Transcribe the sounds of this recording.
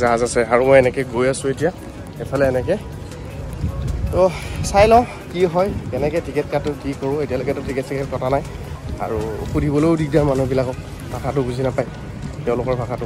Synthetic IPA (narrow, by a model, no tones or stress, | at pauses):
zaɦazasɛaɹumɔjɛnɛkɛɡojasʊetija | xepʰalɛːnɛkɛ | tɔsajlɔ | kiɦɔjkɛnɛkɛtʰikɛt̚katʊkikoɹʊ̃etijalokɛtʊtʰikɛtʰikʰɛtkɔtʰanaj | a̰ɹṵxudʱibɔlojʊdikdaɹmanubilakɔk | bʱakʰatʊɡuzʱinapaj | tɛ̃ʊ̃lʊkɔɹbʱakʰatʊ